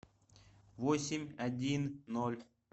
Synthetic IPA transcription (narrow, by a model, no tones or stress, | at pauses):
vosʲɪmʲɐdʲinːolʲ